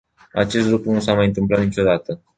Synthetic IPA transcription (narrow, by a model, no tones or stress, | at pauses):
a̰t͡ʃe̞s̬t̪lɾukɾunusamajɨnt̪ɨmplat̪nit͡ʃo̞d̪at̪ə